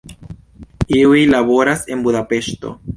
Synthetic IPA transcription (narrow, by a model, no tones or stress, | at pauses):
iuilaβo̞ɾase̞nbudape̞ʃto̞̰